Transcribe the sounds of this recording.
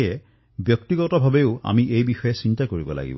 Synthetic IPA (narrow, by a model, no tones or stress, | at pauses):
ɛ | bjɔk̚tiɡɔtɔbʱabeʊa̰miʔejbixɔjɛsintakoɹibɔ̰la̰ɡḭbɔ